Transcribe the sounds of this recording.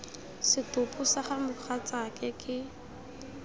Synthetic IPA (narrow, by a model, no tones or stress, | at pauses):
sɪtʊpusaχamʊk͡xʰat͡sakʼɛkʼɪ